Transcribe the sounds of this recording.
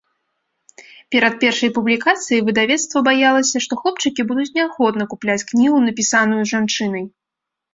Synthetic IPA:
pʲɛɾɐt̪̚pʲɛrʂɐjpublʲikat̪sɨjivɨd̪avʲɛt̪st̪vɐbajalˠɐsʲɐʂt̪ɔxlˠɔp̚t͡ʂɨkʲibud̪ut͡sʲnʲɛaxɔd̪nɐkuplʲat͡sʲknʲiɣunɐpʲisanujuʐant͡ʂɨnɐj

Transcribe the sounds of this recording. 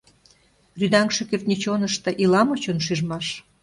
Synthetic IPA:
ryd̪ɑŋʃĕkert̪nʲit͡ɕonəʃt̪ɤ̆ʔilɑmot͡ɕonʃyʒmɑʃ

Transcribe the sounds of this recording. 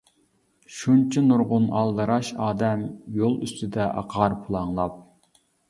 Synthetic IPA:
ʃunt͡ʃʰinuɾʁʊnɑlˠd̪ɨɾɑʃɑːd̪ɛmjolˠy̰st̪ʰɪd̪ɛʔɑ̰qʰɑɾpʰulˠɑŋlˠɑp̚

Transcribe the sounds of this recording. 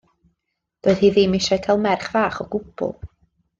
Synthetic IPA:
d̥oːɨð̥hiːðiːmɪʃaɨtʰɛlˠmɛrχv̥aːχɔɡ̥ʊb̥ʊ̰lˠ

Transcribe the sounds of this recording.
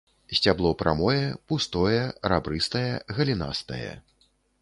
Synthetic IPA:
sʲt͡sʲablˠɔpɾa̰mɔjɛpust̪ɔjɛɾabɾɨst̪ɐjɐɣɐlʲina̰st̪ɐjɐ̰

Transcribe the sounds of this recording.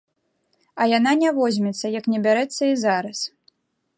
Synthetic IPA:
ɐjananʲavɔzʲmʲɛt̪sːɐjɐknʲɛbʲaɾɛt̪sːɐizaɾɐs

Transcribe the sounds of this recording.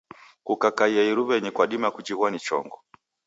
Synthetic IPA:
kukakaiaiɾuβɛɲɛkwaɗimakud͡ʒiɣwanit͡ʃɔ̰ŋɡɔ

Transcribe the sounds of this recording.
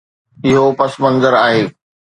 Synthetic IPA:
ɪɦopɐsmɐ̃nzəɾaːɦeː

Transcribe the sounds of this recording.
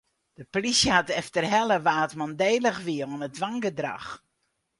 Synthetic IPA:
d̥əpolisjəhatɛftərɦɛlˠəʋaːtmandeːləxʋiəonət̚dʋaŋɡədra̰x

